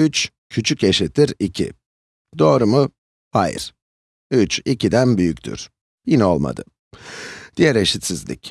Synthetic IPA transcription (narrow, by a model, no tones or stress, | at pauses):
yt͡ʃ | cʰyt͡ʃʰyce̞ʃit̪ʰːiɾicʰḭ | d̪̥o̞ːɾumʊ | hajɯ̰ɾ̥ | yt͡ʃicid̪ænbyjycʲt̪ʰy̰ɾ̥ | jinɛo̞̰lˠma̰d̪ɯ̰ | d̪̥ijæɾe̞ʃit̪sizlʲḭc